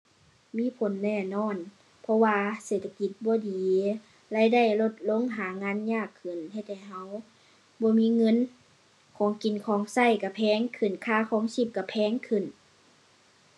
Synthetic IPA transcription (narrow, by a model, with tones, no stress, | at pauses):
miː˧˥˨pʰo˨˦nːɛː˧˩nɔː˧˥˨n | pʰɔ˧waː˧seː˨˩t̪ʰa˧ki˧˩t̪̚bɔː˧˦diː˨˦ | la˧˥˨jda˧˥˩jlo˧t̪̚lo˧˥˨ŋɦaː˨˦ŋaː˧˥˨nɲaː˧˩kʰːɯ˨˩nhe˧˩t̪ʰːɛː˧˩ɦa˧˥˨w | bɔː˧˦miː˧˥˨ŋɤ˧˥˨n | kʰɔː˨˦ŋki˨˩nkʰɔː˨˦ŋsa˧˥˨jka˧˩pʰɛː˧˥ŋkʰɯ˨˩˨nkʰaː˧˥˨kʰɔː˨˦ŋsi˧˩p̚ka˧˩pʰɛː˧˥˨ŋkʰɯ˧˨˩n